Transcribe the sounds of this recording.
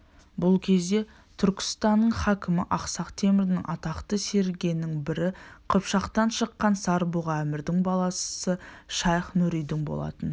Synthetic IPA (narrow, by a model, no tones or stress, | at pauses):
bʊlˠkʲʰe̞zd̪e̞ | t̪ʰʏɾkʲɪ̥st̪ɑnːəɴχækʲɪmɪʔɑqsɑqt̪ʰe̞mɪɾɪnɪŋʔɑt̪ɑqt̪əse̞ɾɡʲenɪŋbɪɾɪqʰəpʃɑqt̪ɑnʃəqːɑnsɑɾbuʁɑːmɪɾd̪ɪŋbɑlˠɑssəʃɑjχnuɾijd̪ɪŋbo̞̰lˠɑ̰t̪ən